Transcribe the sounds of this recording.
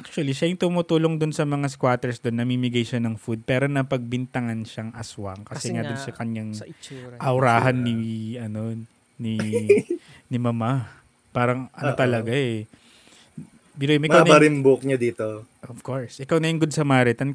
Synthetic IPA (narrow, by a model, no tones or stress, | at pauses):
ʔak̚t͡ʃʊɐliʃajʊŋt̪ʊmʊt̪uːloŋd̪ʊnsɐmɐŋas̬kwaːt̪ɛɹsd̪onːɐmimɪɡajʃanɐŋfud̪̚pɛːɾo̞nɐpɐɡ̚bɪnt̪ɐŋanʃaŋʔɐswɐŋkɐsɛŋad̪onsɐkɐɲaŋʔɐwɾaːhɐnːiɐno̞ | ni | nɪmɐma | paːɾɐŋʔɐnot̪ɐlɐɡaʔɛ | biɾojmʔɪmawnɐɾɪmbok̚ɲɐd̪iːt̪oʔovkoɹsʔɪkawnɐjʊŋɡod̪̚sɐmaːɾɛt̪ɐn